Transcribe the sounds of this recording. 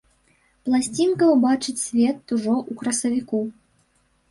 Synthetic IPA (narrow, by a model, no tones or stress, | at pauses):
plˠasʲt͡sʲinkɐbat͡ʂɨt͡sʲsʲvʲɛt̪uʐɔʔukɾɐsɐvʲiku